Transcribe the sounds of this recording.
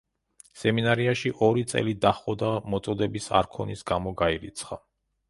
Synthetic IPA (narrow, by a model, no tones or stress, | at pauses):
sɛminaɾiaʃiʔɔɾit̪sʼɛ̰lid̪aχɔd̪amɔt̪sʼɔd̪ɛbisa̰ɾkʰɔnisɡamɔɡaiɾit̪sʰχa